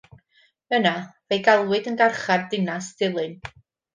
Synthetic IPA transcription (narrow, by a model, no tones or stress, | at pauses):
ənavejɡalˠwɨdənɡarχardɪnasd̥ɪlˠɨn